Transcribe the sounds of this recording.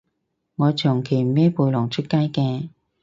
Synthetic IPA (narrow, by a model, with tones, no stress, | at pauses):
ŋɔː˨˧t͡ʃʰʊ˨˩ŋkʰe˨˩jm̩˨˩mɛː˥puː˧jlɔ˨˩ŋt͡ʃʰt̚kaː˥jkɛː˧